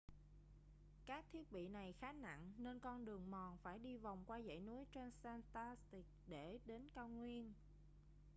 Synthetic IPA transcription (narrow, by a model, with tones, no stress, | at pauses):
kaː˦˥k̚t̪ʰi˦˥ət̚ɓḭ˧˨na˨˩jxaː˨˦na̰˧˨ŋne˧nkɔ˧nɗɨ˨˩əŋmɔ˨˩nfaː˧˩jɗi˧va˨˩wŋ͡mkwaː˧zə̰˧˨jnu˨˦əjt͡ɕe˧nsaː˧nt̪a˧st̪i˨˩k̚ɗe˧˩ɗe˨˦nkaː˧wŋwi˧ən